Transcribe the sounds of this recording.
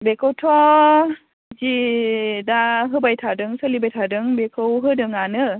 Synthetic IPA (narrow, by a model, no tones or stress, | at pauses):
bekʰɯwtʰɔ | d͡ʒi | daɦɯbajtʰadɯŋsɯlibajtʰadɯŋbekʰɯwɦɯdɯŋanɯ